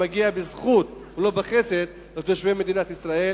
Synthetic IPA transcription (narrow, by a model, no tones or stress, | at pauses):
aɡiabezχut̪ulo̞beχesed̪ | lot̪oʃveme̞d̪inat̪isɾae̞